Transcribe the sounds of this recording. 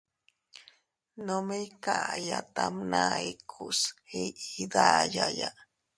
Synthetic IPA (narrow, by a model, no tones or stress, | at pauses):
nomekaʔjat̪amnaikʰushiid̪ajaja